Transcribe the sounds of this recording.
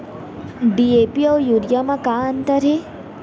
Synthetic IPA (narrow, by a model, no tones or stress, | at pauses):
ɖiepiɐwjuːɾjamakaːənt̪əɾɦe